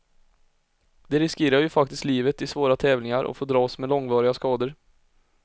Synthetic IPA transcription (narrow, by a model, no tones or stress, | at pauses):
d̪̥ɛɾɪskeːɾaɾjɵfakt̪ɪst̪liːvət̪ɪsvoːɾat̪ʰɛːvlɪŋaɾʔɔ̰foːɖɾɑːsmɛlɔŋvɑːɾɪɡaskɑːd̪əɾ